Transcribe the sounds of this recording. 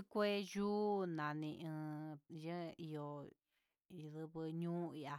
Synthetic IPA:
kʷe˦ʒuː˦nã˨nĩ˧ʔɨ̃˧jɨ̃˦i˧o˧ | i˧ðɨ˧βɨ˧ɲũː˦i˧a˧

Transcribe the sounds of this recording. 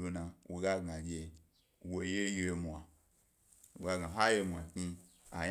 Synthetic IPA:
o˧na˨wʔo˨ɡa˦ɡa˨ɡʲe˧ | wo˨je˦je˧mʷ˨a˨ | wo̰˨ɡa˦ɡa˨ɦa˦je˧mʷ˨a˨ki˧ | a˨j

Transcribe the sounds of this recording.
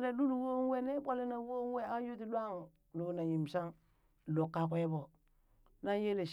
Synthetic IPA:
le˨lu˦lu˨wo˦ŋ˦we˦ne˦bʷa˦le˦na˨˦wo˦ŋ˦we˦a˦ju˦ti˨lʷa˦ŋ | lo˨na˨ji˨m˨sa˦ŋ | lo˨kːa˨kʷe˦bo˨ | na˦je˦le˨ʃ

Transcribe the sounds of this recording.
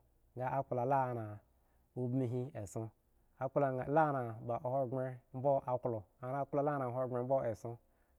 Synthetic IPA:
ŋɡa˦a˦k͡pla˨la˦˨na˨ | u˦bmi˦ɦi˦e˨sõ˦ | a˦la˨la˦na˨ba˨ʔho˦˨ɡe˦m̩˦bo˦ʔa˨klo˨a˨na˨˦k͡plo˨la˦na˨ɦo˦˨ŋ͡me˨m̩˦bo˦e˨so˦

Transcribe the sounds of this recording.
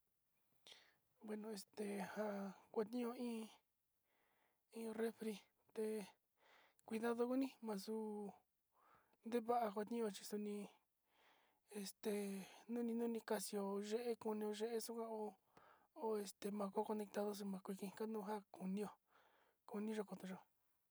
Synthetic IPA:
bwe˧nõ˧e˨st̪e˨ha˧kʷa˧t̪ĩ˦õ˧ĩː˦ | ĩː˦re˦fɾi˧ | t̪e˧ | kʷi˧ða˦ðo˧ku˦nĩ˦mã˧su˧ | nd̪e˦βa˦ʔa˧kʷa˧t̪nĩ˦˧o˧t͡ʃi̥˧su˧nĩ˧ | e˧st̪e˨nũ˦nĩ˧nũ˦nĩ˧ka˧si˧o˧ʒe˦ʔe˦ku˧nĩ˧o˧ʒe˦ʔe˦su˦kʷã˧o˧ | o˧e˧st̪e˧˨mã˧ko˦ko˧ne˧k̚t̪a˧ðo˧s̬u˧mã˧kʷi˧kĩ˧ka˦nũ˦˧ɦa˦ku˧nĩ˦˧o˧ | ku˧nĩ˦ʒo˧ko˧t̪õ˧ʒo˧

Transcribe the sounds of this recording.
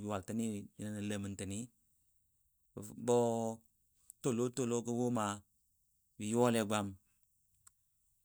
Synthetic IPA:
bi˨wa˨lta˨˦ni˦˨i˨na˦nə˨lə˨mə˨ntə˨ni˦˨ | bɔ˦ | to˦˨lo˦to˦˨lo˦kə˦wo˦ma˨ | bi˨jo˦le˨ɡ͡ba˦˨m

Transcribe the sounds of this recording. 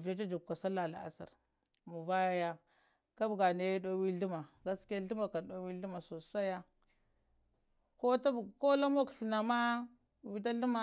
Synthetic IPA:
vja˦t͡ʃa˦d͡ʒu˨kka˨sa˦la˨la̰˨a̰˨sa̰˨ɾ | mu˨va˦ja˦ja˦ | ka˦bɡa˨na˨ja˦do˦wi˦ɮu˦ma˨ɡa˦ske˦ɬu˦ma˨ka˨ndo˦wi˦ɬu˦ma˨so˨sa˦ja˦ | ko˦ta˦˨ko˦la˦mo˦kɬə˨na˨ma˦ | wi˦da˦ɬu˦ma˦

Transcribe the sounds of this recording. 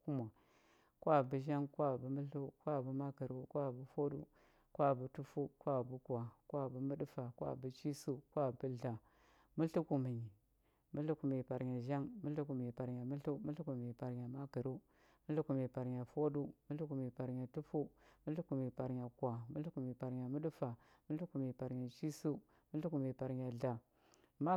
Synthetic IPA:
ku˦ma˨ | kʷa˦˨bə˨ʒa˦ŋkʷa˦˨bə˨mə˦ɬu˦kʷa˦˨bu˦ma˦kə˨ɾu˦kʷa˦˨bu˨fo˦ɗṵ˦ | kʷa˦˨bu˨˦tu˦fu˦kʷa˦˨bu˦kʷa˨kʷa˦˨bə˨mə˦ɗfa˨kʷa̰˦˨bə˨t͡ʃi˦su˦kwa˦˨bə˦ɮa˨ | mu˦ɬu˦ku˨mi˨ɲi˨ | mu˦ɬu˦ku˨me˨pa˨ɾɲa˨ʒa˦ŋmu˦ɬu˦ku˨mi˨pa˨ɾɲa˨mu˦ɬu˦mu˦ɬu˦ku˨mi˨pa˨ɾɲa˨ma˦kə˨ɾu˦ | mu˦ɬu˦ku˨mi˨pa˨ɾɲa˨fo˦du˦mu˦ɬu˦ku˨mi˨pa˨ɾɲa˨tu˦fu˦mu˦ɬu˦ku˨mi˨pa˨ɾɲa˨kʷa˨mu˦ɬu˦ku˨mi˨pa˨ɾɲa˨mu˦ɗu˦fa˨ | mu˦ɬu˦ku˨mi˨pa˨ɾɲa˨t͡ʃi˦su˦ | mu˦ɬu˦ku˨mi˨pa˨ɾɲa˨ɮa˨ | ma˦

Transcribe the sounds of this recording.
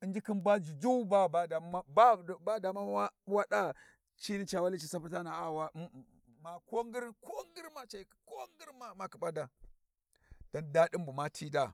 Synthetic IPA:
i˦nd͡ʒi˦ki˦nbʷa˦d͡ʒi˨d͡ʒu˦ba˦˨ba˦da˨˦ba˦˨ba˦da˨ma˦wa˦wa˦da˦ | t͡ʃi˦ni˦t͡ʃa˨wa˦li˦t͡ʃi˨sa˦pu˦ta˦na˨a˦wa˦ | ma˨ko˦ŋɡi˦ɾko˦ŋɡi˦ɾma˨t͡ʃa˨ko˦ŋɡi˦ɾma˨ma˨ki˨ɓa˦da˨ | d̥a˦nda˦ɗi˦mbu˨ma˦tʰi˦da˦˨

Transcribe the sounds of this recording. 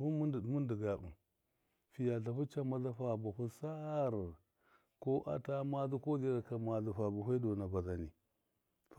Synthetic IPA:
bu˦mu˦ndə˨dmu˦ndi˨ɡa˨bṵ˨ | fi˨ja˨ɬa˨fu˦t͡ʃa˦ma˦za˦fa˨bu˨hu˦sa˦ɾ | ko˦ʔa̰˦ta˦ma˦zu˦ko˦zi˦ɾa˨ka˨ma˨zu˨fa˨bu˨ɦe˦do˨na˨ba˨za˨ni˨ | f

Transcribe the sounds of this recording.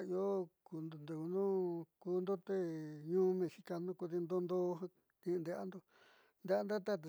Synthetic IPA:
i˧o˦ku˧n˨nd̪e˨u˧nũ˦kuː˧˦nd̪o˦t̪e˦ɲũː˦mẽ˧si˧ka˧nũ˦ku˧ði˧nd̪o˧nd̪o˦˧ɦã˦˧ | nĩ˧nd̪e˧ʔa̰˦nd̪o˧ | nd̪e˧a˧nd̪a˦t̪a˦t̪e˧

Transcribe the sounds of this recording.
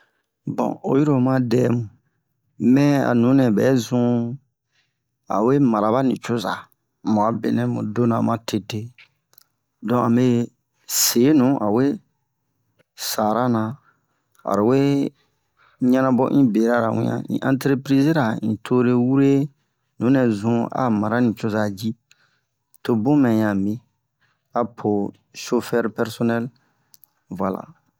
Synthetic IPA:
bɔ̰̃˨o̰˨ji˦ɾo˨mã˦dɛ˦mũ˨ | mɛ̃˦a̰˨nũ˨˦nɛ̃˨bɛ̰˨˦zũ˦ | a̰˨we˦ma˨ɾa˨βa˦nĩ˨t͡ʃo˦za̰˨ | mũ˨a˨bḛ˨nɛ̃˨mṵ̃˨do˦nã˨mã˦te˨te˦ | dɔ̃˦ã˨mbe˦ | se˨˦nũ˨˦ʔa˨we˦ | sa˨ɾa˦nã˨ | a̰˨ɾi˨we˦ | ɲã˦nã˦bɔ̰˦ʔĩ˦be˨ɾa˦ɾa˨wḭ̃˦ã̰˨ḭ̃˨ʔã̰˨ntɾe˦pɾi˦zi˦ɾa˨ĩ˨tʰo˦ɾe˦wu˦ɾe˦ | nũ˨˦nɛ̃˨zũ˦a̰˨mã˨ɾa˦nĩ˨t͡ʃo˦za˦d͡ʒi˦ | to˨bũ˦mɛ̃˨ɲã˨mĩ˦ | a˨pʰo˨ | ʃo˦fɛ˦ɾpɛ˦ɾsɔ˦nɛ˦l | va˨la̰˨

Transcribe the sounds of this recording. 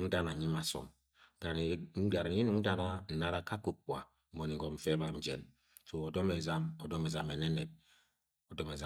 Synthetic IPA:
n̩˦da˦na˨ɲi˦ma˨so̰˨m˦ | ɡa˨ɾ̩˨˦ɡa˨ɾi˦nu˨˦n̩˦da˦na˦n̩˨na˦ɾa˨˦ka˦ku˨k͡pwa̰˨˦ | mo˨ni˨ɡɔ˨m̩˨fe˦ba˨n̩˨˦d͡ʒḛ˦n | so˨o˨do˦me˨za˦mo˨do˦me˨za˨me˨ne˦ne˨t̚ | o˨do˦me˨za˦

